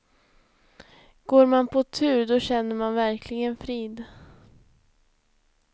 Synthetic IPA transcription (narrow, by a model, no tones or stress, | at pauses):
ɡ̥oːɾmanpʰɔt̪ʰʉ̟ːɾd̪ɔɕɛnːəɾmanvæɾkʰlɪɡənfɾiːd̪